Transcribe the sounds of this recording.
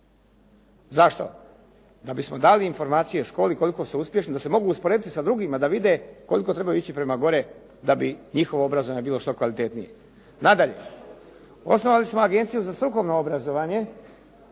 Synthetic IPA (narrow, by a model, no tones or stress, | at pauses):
zaʃt̪o̞̰ | d̪abismo̞d̪aliːnfo̞ɾmaːt̪sije̞ʃko̞ːliko̞liko̞suuspje̞ʃnid̪ase̞mo̞ɡuːspoɾeːd̪it̪isad̪ɾuɡimad̪aʋid̪eko̞liko̞t̪ɾe̞bajuit͡ɕipɾe̞maɡo̞ɾe | d̪abiɲixo̞ʋoobɾazoʋaːɲebiːlˠo̞ʃt̪o̞kʋalit̪e̞t̪nijḛ | nad̪aʎe̞̰ | o̞̰sno̞ʋalismoaɡe̞nt̪sijuzast̪ɾuko̞ʋnoobɾazo̞ʋaːɲe̞